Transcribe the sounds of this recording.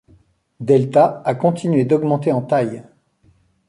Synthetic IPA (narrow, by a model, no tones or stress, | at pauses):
d̪ɛlt̪aakɔ̃t̪inɥed̪ɔɡmɑ̃t̪eɑ̃t̪aj